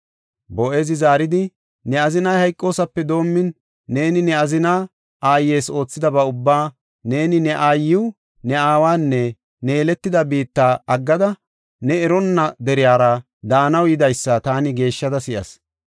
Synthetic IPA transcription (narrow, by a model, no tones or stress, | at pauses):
bɔʔe̞ːzɪzaːɾɪd̪ɪ | nɛɐzɪnɐjhɐjkʼːo̞ːsɐpːɛd̪o̞ːmːɪnː | e̞ːnɪnɛɐzɪna | ʔaːjːe̞ːso̞ːt͡sːɪd̪ɐbɐʊbːaː | ne̞ːnɪnɛʔaːjːɪw | nɛaːwaːnːɛ | ne̞ːlɛt̪ːɪd̪ɐbiːt̪ːaːɐɡːɐd̪ɐ | nɛɛɾɔnːɐd̪ɛɾɪjaːɾɐ | d̪aːnɐwjɪd̪ɐjsːɐt̪aːnɪɡe̞ːʃːɐd̪ɐsɪʔɐ̰s